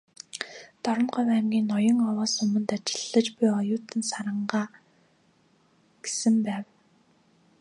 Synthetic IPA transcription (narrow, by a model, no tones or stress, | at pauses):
t̪ɔɾɞ̆nɢʊjwæːmɡʲiːnːɔjɞ̆ŋɔwɔːsʊmə̆nt̪at͡ɕɪ̥̆ɮːə̆t͡ɕpijɔjʊːt̪ɘ̆nsaɾə̆ɴɢaː | ɡ̥e̥sɘ̆mpæːw